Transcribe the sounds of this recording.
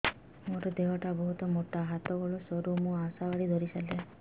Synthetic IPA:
moɾɔd̪eɦɔʈabɔɦut̪ɔmoʈaɦat̪ɔɡɔɭɔsɔɾumũasabaɽid̪ʱɔɾisala

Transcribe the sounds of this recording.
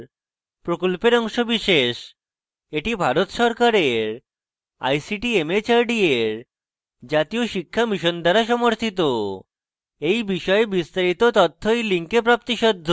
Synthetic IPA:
pɾokolpeɾɔŋʃobiʃeʃ | eʈibʱaɾot̪ʃɔɾkaɾeɾ | a̰jsiʈiemet͡ɕaɾɖieɾ | d͡ʑat̪ioʃikʰːamiʃond̪aɾaʃɔmoɾt̪ʰit̪o | ejbiʃɔebist̪aɾit̪ot̪ɔt̪ʰːojliŋkep̬ɾap̚t̪iʃɔd̪ʱːo

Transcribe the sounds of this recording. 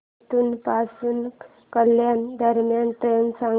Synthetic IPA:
t̪uːnpasuːn | kəljand̪əɾmjanʈɾensã

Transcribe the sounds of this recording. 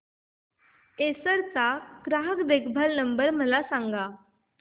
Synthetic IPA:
esəɾt͡saɡɾaɦəkd̪ekʰbʱəlnəmbəɾm̤əlasãŋɡa

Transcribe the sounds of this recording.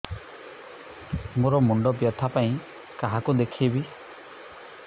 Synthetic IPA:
muɾɔmuɳɖɔbjɔt̪ʰapaĩ | kaɦakud̪ekʰebi

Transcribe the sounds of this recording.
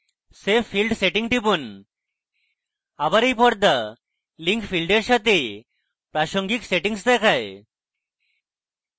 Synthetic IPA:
sefilɖseʈĩŋɡʈipun | abaɾipɔɽd̪a | liŋkfilɖeɾɕat̪e | pɾaɕoŋɡikseʈiŋs̬d̪ɛkʰaj

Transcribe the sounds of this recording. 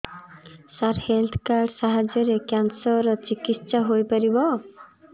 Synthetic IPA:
saɾhelt̪ʰkaɾɖsaɦad͡ʒɔɾekjansɔɾɔt͡ʃikitːsaɦojpɔɾibɔ

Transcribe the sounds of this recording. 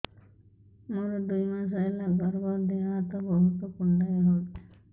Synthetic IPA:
moɾɔd̪ujmas̬ajlaɡɔɾbɔɾd̪eaat̪ɔbɔɦut̪ɔkɔɳɖajɔɦo

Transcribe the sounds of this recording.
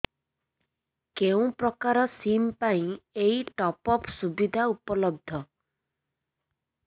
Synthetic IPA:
keũpɾɔkaɾɔsimpaĩeiʈɔpɔpsubid̪ʱaupɔlɔb̚d̪ʱɔ

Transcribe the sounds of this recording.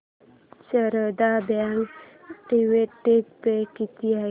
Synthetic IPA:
səɾəd̪abaŋɡ | ʈiʋeʈːek̚pekit̪ia

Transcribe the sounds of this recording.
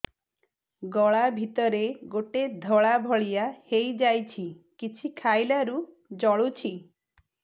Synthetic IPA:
ɡɔɭabʱit̪ɔɾeɡoʈed̪ʱɔɭabʱɔɭijahejd͡ʒajt͡ʃʰi | kit͡ʃʰikʰajlaɾu | d͡ʒɔɭut͡ʃʰi

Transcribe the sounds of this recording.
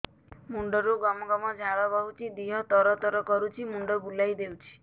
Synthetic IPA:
muɳɖɔɾuɡɔmɔɡɔmɔd͡ʒʱaɾɔbɔɦut͡ʃʰid̪iɦɔt̪ɔɾɔt̪ɔɾɔkɔɾut͡ʃʰimuɳɖɔbulajd̪ewt͡ʃʰi̥

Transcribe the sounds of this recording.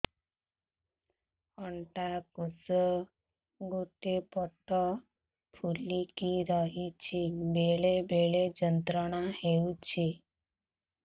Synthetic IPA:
ɔɳʈakusə | ɡoʈepɔʈʰːɔ | pʰulikiɾəɦit͡ʃʰibeɭebeɭed͡ʒənt̪ɾəɽ̃aheut͡ʃʰi

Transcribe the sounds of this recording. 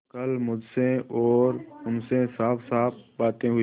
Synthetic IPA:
kɐlmʊd͡ʒseɔːɾʊnsesaːpsaːp̚baːt̪ẽɦʊ

